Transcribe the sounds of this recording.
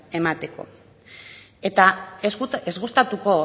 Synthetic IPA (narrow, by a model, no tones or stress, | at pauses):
e̞mat̪e̞ko̞̰ | e̞t̪aeezɣust̪at̪uko̞